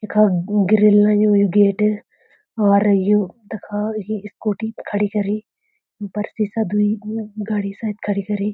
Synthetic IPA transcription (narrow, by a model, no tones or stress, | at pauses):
ekʰaːɡɪɾɪlːãːjujuɡeːʈ | aːɾjut̪ɐkʰajiɪskoːʈikʰɐɽikɐɾiː | pɐɾsiːsad̪uiɡaːɽiːsaːd̪kʰɐɽikɐɾiː